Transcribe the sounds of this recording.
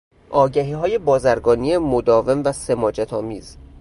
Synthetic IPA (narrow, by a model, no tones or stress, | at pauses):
ʔɒːɟæɦiːɦɒːje̞bɒːzæɾɡɒːniemod̪ɒːve̞mvæse̞mɒːd͡ʒæt̪ʰɒːmiːz̥